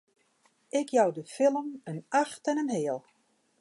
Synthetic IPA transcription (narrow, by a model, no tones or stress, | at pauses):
ɪkjawdəfɪlˠəmənaxtɛnənɦeːəlˠ